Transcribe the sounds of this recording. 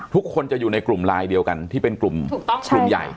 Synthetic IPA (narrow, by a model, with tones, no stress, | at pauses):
t̪ʰu˦˥kʰːo˧nt͡ɕa˨˩juː˨˩na˧jklu˨˩mɾaː˧jdi˧əwka˧nt̪ʰiː˥˩pe˧nklu˨˩mʰuː˨˩ɔ˥˩ŋu˨˩mja̰˨˩j